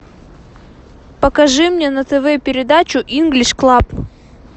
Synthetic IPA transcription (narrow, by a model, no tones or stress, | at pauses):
pɐkɐʐɨmnʲenɐt̪ɛvɛpʲɪɾʲɪd̪at͡ɕʊʔinɡlʲɪʂklˠap